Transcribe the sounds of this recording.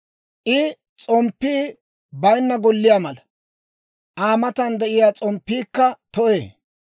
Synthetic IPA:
ʔɪ | t͡sʼɔmpːiː | bɐjnːɐɡɔlːɪjaːmɐlɐ | ʔaːmɐt̪ɐnd̪ɛʔɪjaːt͡sʼɔmpːiːkːɐt̪ɔʔeː

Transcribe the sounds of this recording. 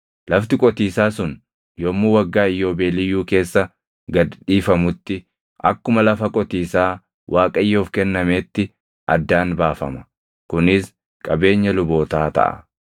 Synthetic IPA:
lɐft̪ɪkʼɔt̪iːsaːsʊn | joːmːuːwɐɡːaːɪjːo̞ːbeːlɪjuːke̞ːsːɐ | ɡɐd̪ᶑiːfɐmʊt̪ːɪ | ʔɐkːʊmɐlɐfɐkʼɔt̪iːsaː | wʔaːkʼɐjːoːfkɛnːɐme̞ːt̪ːɪ | ʔɐ̰d̪ːaːnbaːfɐmɐ | kʊnɪs | kʼɐbe̞ːɲːɐlʊbo̞ːt̪aːt̪ɐ̰ʔɐ̰

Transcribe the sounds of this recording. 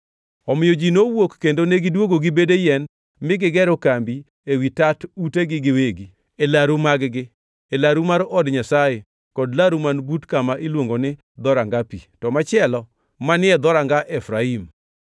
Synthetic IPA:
ɔmɪjod͡ʒinowokːendoneɡɪdwoɡoɡɪbedejɛn | mɪɡɪɡɛɾokambi | ewitatuteɡɪɡɪweɡi | elaɾumaɡɡɪ | elaɾumaɾɔdɲasaje | kɔdlaɾumanbutkamaʔilwoŋɡonɪ | d̪ɔɾaŋɡapḭtɔmat͡ʃɪɛlɔ | manɪɛd̪ɔɾaŋɡaʔɛfɾaim

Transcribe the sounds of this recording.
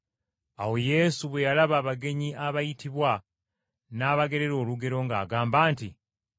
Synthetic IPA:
awo̞je̞ːsuβwe̞jalaβaːβaɡe̞ɲiʔaβajitʰiβwa | naːβaɡe̞ɾe̞ɾo̞ːluɡe̞ɾo̞ŋɡa̰ːɡaːmbaːntḭ

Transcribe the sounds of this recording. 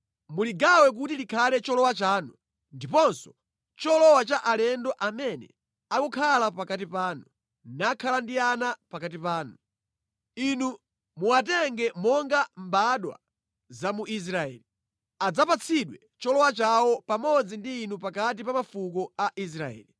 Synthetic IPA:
muliɡawɛk̬utilikʰalɛt͡ʃɔlɔwat͡ʃaːnu | ndipɔnsɔ̥ | t͡ʃɔlɔwat͡ʃaʔalɛndɔʔamɛnɛ̰ | akɔkʰalapakatipaːnu | nakʰalandianapakatipaːnu | inu | muat̬ɛŋɡɛmɔŋɡambaɗwa̰ | zamuʔis̬ɾaɛ̰ːli | ad͡zapat͡sʰiɗwɛ | t͡ʃɔlɔwat͡ʃawɔpamɔd͡zindiːnupakat̬ipamafukɔaʔis̬ɾaɛ̰ːli

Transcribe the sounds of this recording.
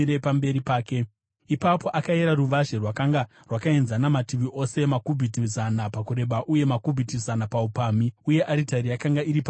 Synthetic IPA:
ɾepambe̞ɾipaːke̞ | ipapo̞ʔakaeɾaruʋaʒerwakaŋɡa | rwakaenzanamatiʋiʔo̞se̞makubʱitizanapakuɾe̞ɓaʔuje̞makubʱitizanapaupamiuje̞ʔaɾitaɾijakaŋɡaiɾipa

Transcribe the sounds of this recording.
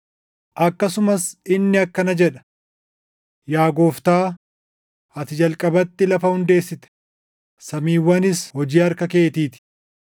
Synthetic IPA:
ʔɐkːɐsʊmɐsɪnːɪɐkːɐnɐd͡ʒɛᶑɐ̥ | jaːɡo̞ːft̪aː | ɐt̪ɪd͡ʒɐlkʼɐbɐt̪ːɪlɐfɐhʊnd̪e̞ːsːɪt̪ɛ̥ | sɐmiːwːɐnɪshɔd͡ʒiːɐɾkɐke̞ːt̪iːt̪ɪ̥

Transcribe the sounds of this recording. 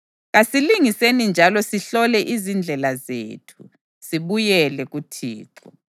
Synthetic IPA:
ɣasiliŋisenind͡ʒʱalɔsiɬɔlɛʔizind͡ɮʱɛlazḛːtʰu | siβujɛlɛɣutʰiːǁɔ

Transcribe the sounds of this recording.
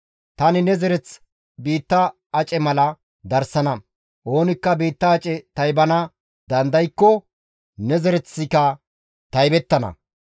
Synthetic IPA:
t̪ɐnɪnɛzɛɾɛt͡s | biːt̪ːɐː | t͡ʃʼɛmɐlɐ | d̪ɐɾsɐnɐ | ʔo̞ːnɪkːɐbiːt̪ːɐːt͡ʃʼɛt̪ɐjbɐnɐ | d̪ɐnd̪ɐjkːɔ | nɛzɛɾɛt͡sːɪkɐ | t̪ɐjbɛt̪ːɐnɐ̰

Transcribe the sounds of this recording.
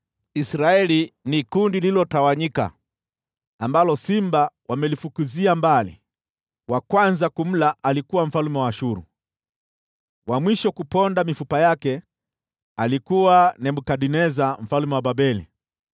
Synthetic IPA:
isɾaɛlinikundililɔtawaɲika̰ | ambalɔsimbawʔamɛlifukuziambalḭ | wakwanzakum̩laalikuwaɱ̩falumɛwaʃuɾṵ | wamwiʃɔkupɔndamifupajakɛ | alikuwanɛmbukaɗinɛzam̩falumɛwababɛlḭ

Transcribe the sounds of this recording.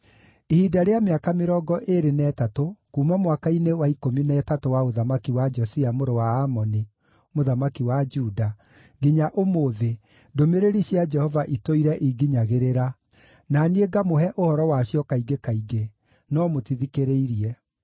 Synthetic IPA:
ihiːdaɾeameakameɾɔːɡɔʔeɾenɛːtatokumamwakainewaikominɛːtatowaoðamakiwad͡ʒɔsiamoɾowaːmɔni | moðamakiwad͡ʒuːda | ɡiɲaʔomoðe | domeɾeɾiɕjad͡ʒɛhɔvaʔitoiɾɛʔiɡiɲaɣeɾeɾa | nanieɡamoɦɛʔohɔɾɔwaɕjɔkaiɡekaiɡe | nɔmotiðikeɾeiɾiɛ

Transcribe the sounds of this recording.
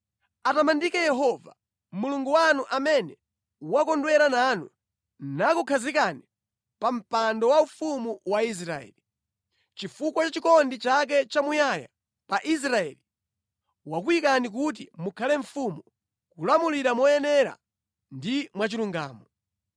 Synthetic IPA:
atamandikɛjɛɦɔva | muluŋɡuwanuʔamɛnɛ | wakɔndwɛɾananṵ | nakukʰazikani | pam̩pandɔwaufumuwais̬ɾaɛ̰ːli | t͡ʃifukwat͡ʃat͡ʃikɔndit͡ʃak̬ɛt͡ʃamujaja̰ | paʔis̬ɾaɛ̰ːli | wak̬uikanik̬ut̬imukʰalɛɱfumu | kulamuliɾamɔjɛnɛɾa̰ | ndimwat͡ʃiluŋɡa̰ːmɔ

